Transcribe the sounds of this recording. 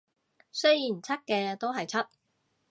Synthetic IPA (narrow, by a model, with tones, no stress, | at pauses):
sɵ˥jjiː˨˩nt͡sʰɐ˥t̚kɛː˧t̪o˥wɦɐ˨jt͡sʰɐ˥t̚